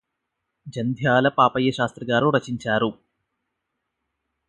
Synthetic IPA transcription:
d͡ʒɐnd̪ʱjaːlɐpaːpɐjːɐʃaːst̪ɾɐɡaːɾuɾɐt͡ʃiɲt͡ʃaːɾu

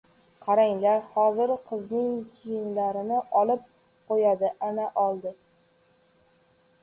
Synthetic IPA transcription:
qʰɑɾaŋlaɾhɒzɪɾqʰɨznɪŋkʲʰijɪnlaɾɪnɪʔɒlɪp̚ | qojad̪ɪʔanaʔɒlˠd̪ɪ

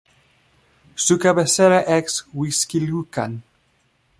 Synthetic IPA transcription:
sukabesɛɾaʔɛkswiskiljukan

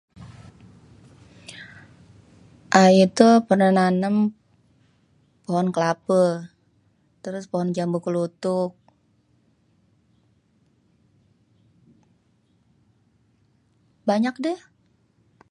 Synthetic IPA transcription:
ʔait̪upərnananəm | poɦɔnkəlapə | t̪əɾʊspɔɦɔnd͡ʒambukəlut̪ʊk̚ | baɲak̚dɛh

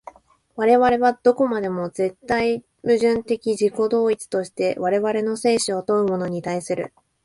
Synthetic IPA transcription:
βaɾe̞βaɾe̞βad̪̥o̞komad̪e̞mo̞ze̞t̪ːai | mɯ̟ʑɨ̃nt̪e̞kʲiʑiko̞d̪o̞ːit͡sɨ̥t̪o̞ɕi̥t̪e̞βaɾe̞βaɾe̞no̞se̞ːɕio̞t̪o̞ɯ̟mo̞no̞ɲ̟it̪aisɨɾɯ̟̰

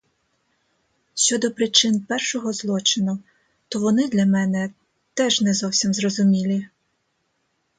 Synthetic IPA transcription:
ʃʲt͡ʃɔd̪ɔpɾɪt͡ʃɪnpɛrʃɔɦɔzlˠɔt͡ʃɪnʊ | t̪ɔʋɔnɪd̪lʲɐmɛnɛ | t̪ɛʒnɛzɔwsʲimzrɔzʊmʲilʲi

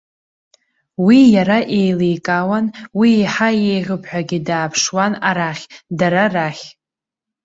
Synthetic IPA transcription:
wijaɾaʔejlejkʼawanwiːħajejʁʲɨpʰħᶣʷaɡʲidaːpʰʂwanaɾaχʲdaɾaraχʲ

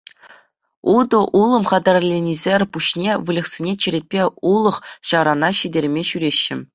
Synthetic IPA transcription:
ud̪ɤ̆ʔulˠɤ̆mχɑd̪ɑrʲlʲenʲizʲerʲpuɕnʲeʋɯlʲɤ̆χsʲinʲet͡ɕĭɾʲet̚ʲpʲeulˠɤ̆χɕɑɾɑnɑɕidʲerʲmʲeɕyɾʲeɕːɘ̆

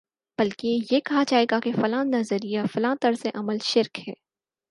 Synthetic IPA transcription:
b̥ɐlkejekɐɦad͡ʒaːeːɡakefɐlãːnnɐzəɾijafɐlãːnt̪ɐɾseʔɐməlʃɪɾkhɛː

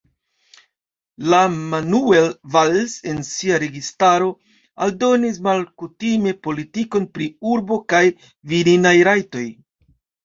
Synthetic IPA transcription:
lamanuelvalse̞nsiaɾe̞ɡistaɾo̞ | a̰ldo̞nis̬malkutime̞po̞litiko̞npɾiuɾbo̞kaj | viɾinajɾajto̞j

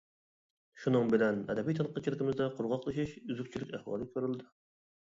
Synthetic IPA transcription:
ʃunɨŋbɪlɛnɛ̰d̪ɛbijt̪ʰɑnqʰːɑt͡ʃʰilɪkʲɪmɪzd̪ɛqʰʊɾʁɑqlˠɨʃiʃyzykʲt͡ʃʰilɪkʲæhwɑ̰ːlˠɨkʲʰøɾylˠd̪ɨ

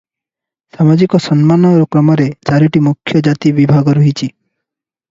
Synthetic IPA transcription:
samad͡ʒikɔsɔnmanɔɾɔkɾɔmɔɾet͡ʃaɾiʈimukʰjɔd͡ʒat̪ibibʱaɡɔɾuɦit͡ʃʰi

